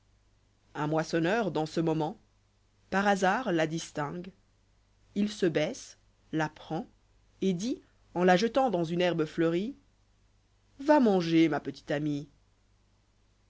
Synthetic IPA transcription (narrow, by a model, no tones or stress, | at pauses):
ɛ̃mwasɔnœʁd̪ɑ̃səmɔmɑ̃ | paʁazaːʁlad̪ist̪ɛ̃ɡ | ilsəbɛs | lapχɑ̃ | ed̪i | ɑ̃laʒət̪ɑ̃d̪ɑ̃zynɛʁbəflœʁi | vamɑ̃ʒemapət̪i̥t̪ami